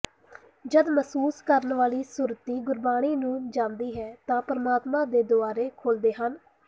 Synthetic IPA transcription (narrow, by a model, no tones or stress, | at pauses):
d͡ʒəd̪məsuːskəɾənʋaːliːsuːɾət̪iːɡʊɾbaːɽ̃iːnũːd͡ʒãːnd̪iːɦɛːt̪ãːpəɾəmaːt̪mãːd̪eːd̪ʊaːɾeːkʰoːld̪eːɦən